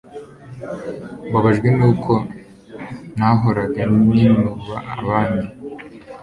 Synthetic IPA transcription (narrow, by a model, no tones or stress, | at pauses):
βbaβaʒɡwinuːkʰo̞ | naɦoɾaɡaninuβaaβaːni